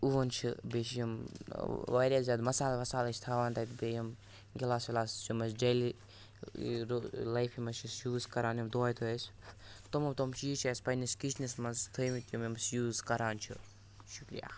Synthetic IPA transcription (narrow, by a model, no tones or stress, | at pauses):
uʋɐnt͡ʃʰibet͡ʃʰjɐm | ʋaːɾʲjaːzʲaːd̪mɐsaːlmɐsaːlɐt͡ʃʰt̪ʰaːʋaːnt̪ɐjt̪bejɐm | ɡilaːsʋilaːsd͡ʒumɐsd͡ʒɐli | ɾlɐjfʰimɐt͡ʃʰisjuːzkɐɾaːnimd̪oːjt̪ʰuest̪omɐmt̪omt͡ʃʰit͡ʃʰeːspɐnɐskit͡ʃʰnismɐnzt̪ʰɨjmit̪jumimsjuːzkɐɾaːnt͡ʃʰi | ʃukɾija̰ː